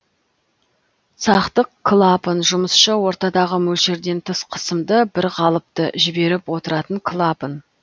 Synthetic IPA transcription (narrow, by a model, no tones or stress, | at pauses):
sɑqt̪əqkʰlˠapənʒʊməsʃəwo̞ɾt̪ɑd̪ɑʁəmɵʃeɾd̪e̞nt̪ʰəsqʰə̥səmd̪əbɪɾʁɑlˠəp̚t̪əʒɪbe̞ɾɪpwo̞t̪əɾɑt̪əŋkʰlˠapən